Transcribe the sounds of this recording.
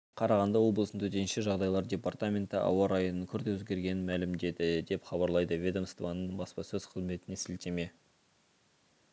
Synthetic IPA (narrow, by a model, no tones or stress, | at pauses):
qʰɑɾɑʁɑnd̪ɑwo̞blˠəsənt̪ʰɵt̪e̞nʃeʒɑʁd̪ɑjlˠɑɾdʲe̞part̪amʲe̞nt̪ɪʔɑ̰wɑɾɑjənəŋkʲʰʏɾd̪ewɵzɡʲe̞ɾɡʲe̞nɪnmælɪmd̪e̞d̪ɪd̪e̞pχɑbɑɾlˠɑjd̪əvʲe̞d̪omst̪vɑnːəɴbɑspɑsɵz̥qʰəzme̞t̪ɪne̞sɪlt̪e̞me̞